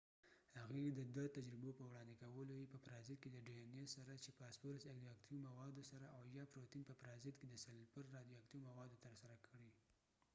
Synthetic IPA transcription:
haɣed̪əd̪at̪ad͡ʒɾɪbopəwɽɑnd̪ɪkawəlojepəpɾɑzɪt̪̚ked̪əɖienesaɾat͡ʃepɑspoɾsaɡd̪iak̚t̪imawɑd̪osaɾaʔawjɑpɾot̪inpəpɾɑzɪt̪ked̪əsalpəɾːɑd̪ijoak̚t̪iomawɑd̪ot̪əɾsaɾakʰəɽi

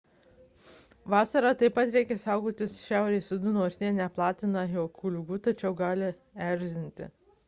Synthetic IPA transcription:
ʋɑːsɐɾɑt̪ɐɪpɐt̪ɾʲɛɪkʲɛsɑˑʊɡoːt̪ʲɪsʃʲæˑʊɾʲɛɪsʲʊd̪ʊnuɔsʲnʲeːnʲɛplˠɑːt̪ʲɪnɐjoːkʰuːlʲʊɡuːt̪ɐt͡ʃʲɛʊɡɑːlʲɪ | æˑɾʲʒʲɪnʲt̪ʲɪ̰

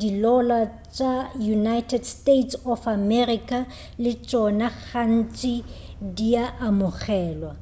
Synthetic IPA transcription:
dilɔla | t͡ʃʼajunajtʰɛdstetsɔfamɛrikʼa | lɪt͡ʃʼɔnaɣan̩t͡ʃʼɪdiaʔːmʊχɛːlwa

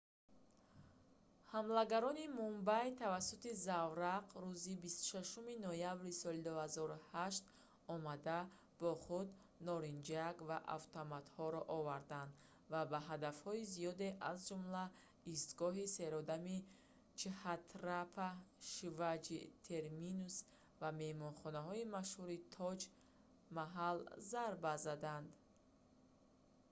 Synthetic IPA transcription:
hamlaɡaɾɔnimumbajt̪ʰavasːut̪izavɾaqɾuzibist̪u̥ʃaʃuminɔjabɾisɔlid̪uhazɔɾuhaʃt̪ | ɔmad̪a | b̥ɔχud̪ | nɔɾind͡ʒaɡvaʔa̰ft̪ʰɔmat̪hɔɾɔʔɔvaɾd̪and̪ | vabaɦad̪afhɔizijɔd̪e̞ʔazd͡ʒumla | ist̪ɡɔɦise̞ɾɔd̪ami | t͡ʃʰihat̪ʰɾapʰaʃivad͡ʒit̪ʰe̞ɾminus | vame̞hmɔnχɔnaɦɔimaʃhuɾit̪ʰɔd͡ʒ | maɦalzaɾbazad̪and̪

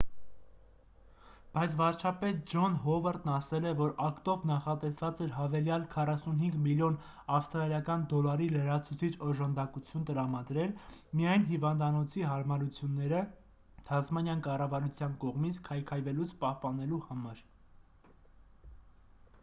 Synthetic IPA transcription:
b̥ɑjt͡sʰvɑɾt͡ʃʰɑpɛt̪̚d͡ʒɔnɦɔvɑɾd̪nɑsɛlɛvɔɾɑkt̪ɔvnɑχɑt̪ɛsvɑt͡sɛɾɦɑvɛljɑlkʰɑrɑsunɦiŋɡmiljɔn | ɑfst̪ɾɑljɑkɑnd̪ɔlɑɾiləɾɑt͡sʰut͡sʰit͡ʃʰɔʒɑnd̪ɑkut͡sʰjunt̪əɾɑmɑd̪ɾɛlmijɑjnɦivɑnd̪ɑnɔt͡sʰiɦɑɾmɑɾut͡sʰjunːɛɾə | t̪ʰɑzmɑnʲjɑnkɑrɑvɑɾut͡sʰjɑnkɔʁmit͡sʰkʰɑjkʰɑjvɛlut͡sʰpɑhpɑnɛluhɑmɑɾ

